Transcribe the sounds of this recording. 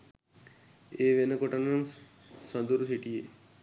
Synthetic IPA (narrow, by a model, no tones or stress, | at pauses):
eːʋenəkoʈɐnan | səd̪uɾusiʈije